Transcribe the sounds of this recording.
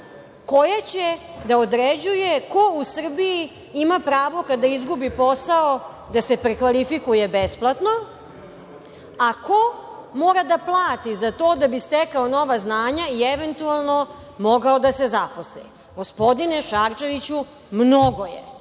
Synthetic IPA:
ko̞jat͡ɕed̪aod̪ɾed͡ʑujeko̞usr̩bii | imapɾaːʋo̞kad̪aizɡubipo̞sao | d̪asepɾekʋalifikujebesplˠat̪no̞ | akomoːɾad̪aplˠaːt̪izat̪oːd̪abist̪ekaono̞ʋaznaːɲaieʋent̪ualˠno̞ | mo̞ɡaod̪asezapo̞slɛ̰ | ɡo̞spo̞d̪ineʃaɾt͡ʃe̞ʋit͡ɕu | mnoɡo̞jḛ

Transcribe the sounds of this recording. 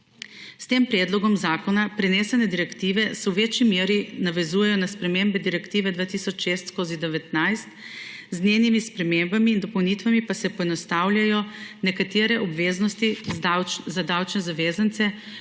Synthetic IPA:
st̪eːmpɾɛːd̪lɔɡɔmzaːkɔnapɾɛneːsɛnɛd̪iɾɛkt̪iːʋɛsɛwʋeːt͡ʃimeːɾinaʋɛzuːjɛjɔnaspɾɛmeːmbɛd̪iɾɛkt̪iːʋɛd̪ʋaːt̪iːsɔt͡ʃʃeːst̪skoːzid̪ɛʋɛt̪najst̪zneːnimispɾɛmembamiːnd̪ɔpɔwnit̪ʋamipasɛpɔɛnɔst̪aːwljajɔnɛkat̪eːɾɛʔɔbʋeːznɔst̪iwzad̪awt͡ʃnɛzaʋeːzant̪sɛ

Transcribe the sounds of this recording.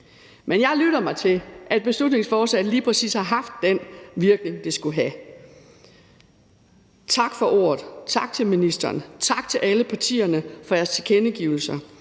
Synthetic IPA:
menjɑ̈ɪlyɾ̥ɐmɑ̈ɪt͡sʰe̝ʔæd̥̚b̥e̝slud̥ne̝ŋsfɒːsɛ̰̥liːpʰʁɛsḭːshɑ̈ɦɑ̈fd̥ːenʋiɐɡ̥ne̝ŋd̥isɡ̥uɦæ | t͡sʰɑ̈ɡ̥fɒ̽ʔo̰ːɐð̞ˠt͡sʰɑ̈ɡ̥̚t͡sʰe̝lminisd̥ɐːnt͡sʰɑ̈ɡ̥t͡sʰe̝lʔæləpʰɑ̈t͡sʰḭːɐnəfɒ̽jæɐsʰkʰenəɡ̥iʊl̩sɐ

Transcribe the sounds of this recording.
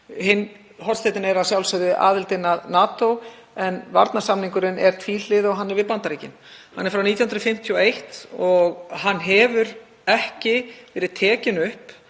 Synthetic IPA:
ɦɪn | ɦɔɾ̥st̪ejt̪ɪnɛɾasjawlsœðʏʔa̰ːðɪlt̪ɪnaðnaːt̪ow | ɛnva̰ɾt̪nasamniŋkʏɾɪnɛɾ̥t̪ʰviːlɪðɔɣɦanːɛɾvɪpant̪aɾiːcɪnhanːɛɾfɾawnit̪jahʏnɾfɪm̥t̪ʰjɔejht̪ɔɣɦanːɦɛvʏɾ | ɛhcɪvɛːɾɪðt̪ʰɛːcɪnʏhp

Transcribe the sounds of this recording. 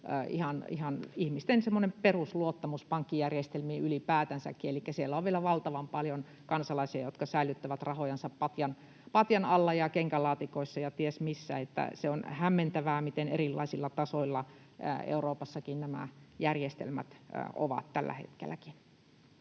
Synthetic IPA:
ʔihɑnihɑnihmist̪ensemːonemperusluot̪ːɑmuspɑŋkːijærjest̪elmiːylipæːt̪ænsæ̰kːielikːæsielːæoʋʋielæʋɑlt̪ɑʋɑmpɑljon | kɑnsɑlɑisiɑjot̪kɑsæilyt̪ːæʋæt̪rɑhojɑnsɑppɑt̪jɑn | pɑt̪jɑnɑlːɑjɑkeŋkælɑːt̪ikoisːɑjɑt̪iesmisːæ̰et̪ːæ̰seonhæmːent̪æʋæːmit̪enerilːɑ̰isilːɑt̪ɑsoilːɑ̰ | ḛuroːpɑsːɑkinnæmæ̰jærjest̪ḛlmæ̰t̪ːo̰ʋɑ̰t̪t̪ælːæ̰hḛt̪kḛlːæki̥n

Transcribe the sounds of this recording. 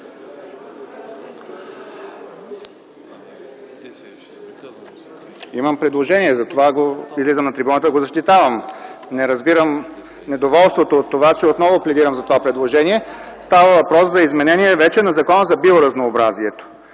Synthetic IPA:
imɐmpɾɛd̪lˠoʒɛniɛzɐt̪ovaɡoizlizəmnɐt̪ɾibunət̪əɡozɐʃt̪it̪avəmnɛɾɐzbiɾəm | nɛd̪ovɔlˠst̪vot̪oːt̪ːovat͡ʃɛot̪nɔvoplɛd̪iɾɐmzɐt̪ovapɾɛd̪lˠoʒɛniɛ | st̪avəvɐpɾɔszɐizmɛnɛniɛvɛt͡ʃɛnɐzɐkɔnəzɐbioɾɐznoːbɾaziɛt̪o̥

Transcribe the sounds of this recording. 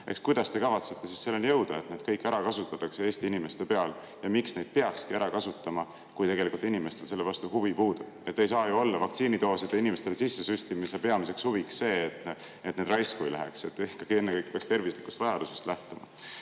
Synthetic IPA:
ʔḛkskujd̪̥ɑst̪e̞kɑvɑt̪se̥t̪ːˑe̞sisːe̞lːenjɤ̞wd̪̥ɑe̞t̪neːd̪̥̚kɤjkːˑæɾɑkɑsut̪ːˑɑt̪ːˑɑksee̞ːst̪iinime̞st̪e̞pe̞ɑl | jɑmiksne̞jd̪̚pe̞ɑkskiæɾɑkɑsut̪ːˑɑmɑ | kujt̪e̞ɡe̞likult̪inime̞st̪e̞lse̞lːe̞vɑst̪uhuvipuːd̪̥ub̥̚e̞t̪ːe̞jsɑːjuo̞lːɑvɑk̚t̪siːnit̪o̞ːsid̪einime̞st̪elesisːe̞syst̪imisepe̞ɑmise̞kshuviksse̞ːt̪ | et̪ne̞d̪̥rɑjskujlæ̰ɦḛkse̞t̪ːˑikːɑɡie̞nːekɤjk̚peɑkst̪e̞rvisliku̥st̪vɑjɑd̪usest̪læht̪omɑ̰

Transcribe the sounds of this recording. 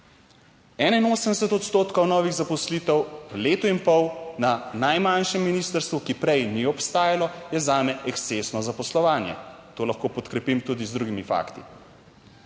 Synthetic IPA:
ɛːnainoːsəmd̪ɛs̬ɛt̪ɔt̪st̪oːt̪kɔwnɔːʋiɣzapɔslit̪ɛwleːt̪ɔinpɔwnanajmanʃɛmːiniːst̪əɾst̪ʋukipɾɛjniɔpst̪aːjalɔjɛzaːmɛɛkst̪sesnɔzapɔslɔʋaːnjɛ̰t̪oːlɐxkoːpɔt̪kɾɛpimt̪ud̪izd̪ɾuɡimifa̰ːkt̪ḭ

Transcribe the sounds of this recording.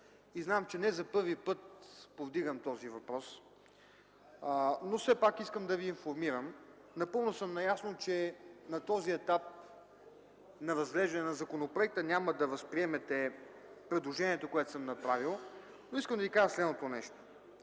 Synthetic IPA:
iznamt͡ʃɛnɛzɐpɤɾvipɤt̪povd̪iɡəmt̪ɔzivɐpɾɔs | nofsɛpakiskəmd̪ɐviːnfoɾmiɾəm | nɐpɤlˠnosɤmnɐjasnot͡ʃɛnɐt̪ɔziɛt̪ap̚ | nɐvɐzɡlɛʒd̪ɐnɛnɐzɐkonopɾoɛk̚t̪ənʲaməd̪ɐvɐspɾiɛmɛt̪ɛ | pɾɛd̪lˠoʒɛniɛt̪okoɛt̪o̥səmnɐpɾavilˠ | noiskəmd̪ɐvikaʒəslɛd̪not̪onɛʃt̪o̥

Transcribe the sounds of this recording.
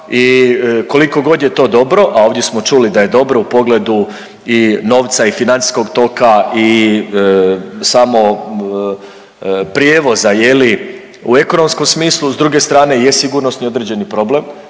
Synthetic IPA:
iko̞liko̞ɡo̞d̪jet̪o̞ːd̪o̞bɾo̞ʔao̞ːʋd̪je̞smo̞t͡ʃulid̪aje̞d̪o̞bɾo̞upo̞ɡle̞d̪u | ino̞ːʋt̪saifinant̪i̥sko̞ɡt̪o̞kai | samo̞ | pɾje̞ʋo̞zajeli | ue̞ko̞no̞msko̞msmiːslˠuzd̪ɾuɡe̞st̪ɾaːne̞jesiɡuɾnosnio̞d̪ɾed͡ʑe̞nipɾo̞ble̞m

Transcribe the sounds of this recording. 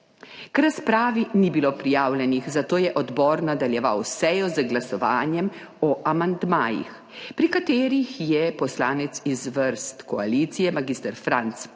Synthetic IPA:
kɾaspɾaːʋinibiloːpɾijaːwlʲjɛnixzat̪oːjɛʔɔd̪bɔːɾnad̪aljɛʋa̰wsɛjɔzəɡlasɔʋaːnjɛmɔʔamand̪maːjḭx | pɾikat̪eːɾixjɛpɔslaːnɛt̪sizʋəɾst̪kɔaliːt̪sijɛmaɡiːst̪əɾfɾant̪s

